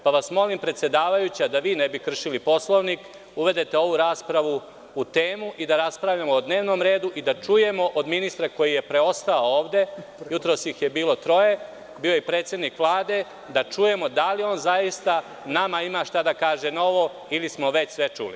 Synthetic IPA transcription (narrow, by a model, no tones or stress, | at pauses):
paʋasmo̞limpɾe̞t̪sje̞d̪aːʋajut͡ɕad̪aʋiːnebikr̩ʃilipo̞slˠoʋnik | uʋe̞d̪et̪e̞o̞ʋuɾaːspɾaʋu | ut̪eːmuʔid̪aɾaspɾaʋʎamoːd̪ne̞ːʋno̞ːmɾe̞ːd̪uʔid̪at͡ʃuje̞mo̞ʔod̪minist̪ɾako̞jije̞pɾe̞o̞st̪aooːʋd̪e̞jut̪ɾosɲixje̞biːlo̞t̪ɾo̞je̞ | biːojepɾet̪sjed̪nikʋlˠaːd̪e̞ | d̪at͡ʃuje̞mod̪alio̞ːnzajist̪a | namaimaʃt̪ad̪akaːʒe̞no̞ʋo̞ | ilismo̞ʋe̞t͡ɕsʋe̞t͡ʃṵlḭ